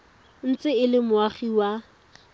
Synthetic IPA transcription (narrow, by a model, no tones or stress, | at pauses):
n̩t͡sʼɪɪlɪmʊaχiwa